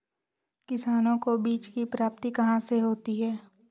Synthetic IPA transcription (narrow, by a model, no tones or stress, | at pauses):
kɪsaːnõkobiːt͡ʃkipɾaːp̚t̪ikɐɦãseɦoːt̪iɦɛː